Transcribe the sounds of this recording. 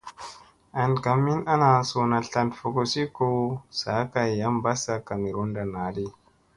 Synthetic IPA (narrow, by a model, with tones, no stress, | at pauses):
ʔa˨nka˨mːi˦na˦na˨so˨na˨ɬa˨ntfo˨ko˨si˦ko˦sa˨˦ka˨jja˦mba˦sa˨ka˨mi˨ɾo˦nda˨naː˨li˦